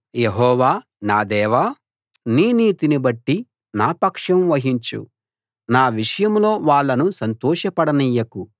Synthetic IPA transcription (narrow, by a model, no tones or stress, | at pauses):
jeɦɔːʋaː | naːd̪ɛːʋaː | niːniːt̪inibɐʈːi | naːpɐkʂɐmʋɐɦiɲt͡ʃṵ | naːʋiʂɐjɐmlo̞ːʋaːɭːɐnusɐnt̪ɔːʂɐpɐɽɐnijɐku